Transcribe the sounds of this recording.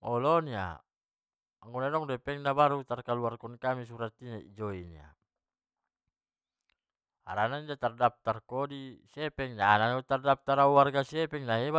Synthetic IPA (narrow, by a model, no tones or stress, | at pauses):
ɔlɔnia̰ | aŋɡunadɔŋdɛpɛŋnabaɾut̪arkaluarkɔnkamisuɾat̪inaḭd͡ʒɔinḭa̰ | a̰ɾanaindat̪ardap̚t̪arkɔdisiɛpɛŋnaːnanut̪ardap̚t̪aɾauwarɡasiɛpɛŋnaɦeba